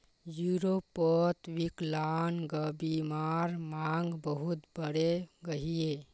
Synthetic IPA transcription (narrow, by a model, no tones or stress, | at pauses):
juɾopːɔt̪wiklaːnɡəbimaɾmaŋɡbəɦut̪bəɽeɡəɦie